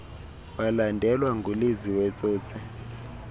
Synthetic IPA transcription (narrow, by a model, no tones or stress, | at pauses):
walandʱɛlwaŋɡʱuleziwɛt͡sʼoːt͡sʰɛ